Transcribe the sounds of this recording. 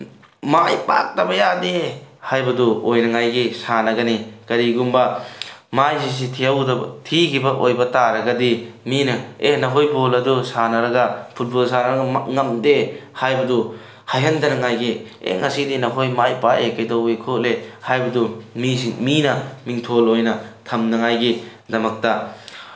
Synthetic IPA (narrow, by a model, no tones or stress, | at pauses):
majpa̰k̚tɐbɐjadehajbɐduojnɐŋajɡisanɐɡɐnikɐɾiɡumbɐmajsis̬itʰiɐwdɐ̰tʰikʰibɐʔojbɐtaɾɐɡɐdiminɐenɐɦojbolɐdusanɐɾɐɡɐpʰut̚bolsanɐɾɐɡɐŋɐmdehajbɐdu | hɐjɦɐndɐnɐŋajɡi | ḛŋɐsidinɐɦojmajpaʔekɐjdɐwejkʰoʔlehajbɐdumisiminɐmiŋtʰolojnɐtʰɐmnɐŋajɡi | dɐmɐk̚tɐ